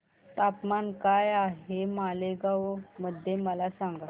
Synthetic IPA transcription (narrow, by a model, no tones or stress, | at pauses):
t̪apmankajaɦemaleɡaʋməd̪ʱːjeməlasãŋɡa